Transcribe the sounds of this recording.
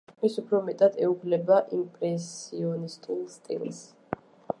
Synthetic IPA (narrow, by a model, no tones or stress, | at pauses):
misupʰɾɔmɛt̪ʼad̪ɛukʰlɛbaʔimpʼɾɛsiɔnist̪ʼulˠst̪ʼḭlˠs